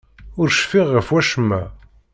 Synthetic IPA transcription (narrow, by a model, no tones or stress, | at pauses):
ʊɾʃfiʁːəfwæʃəmːæ